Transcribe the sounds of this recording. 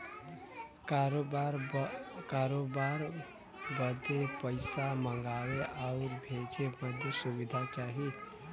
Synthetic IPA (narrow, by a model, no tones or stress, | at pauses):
kɾoaɾkaɾobaɾ | bəd̪epəɪsaməŋɡaweʔaʊɾbʱeɡeməd̪ʱjəsubid̪ʱat͡ʃaɦi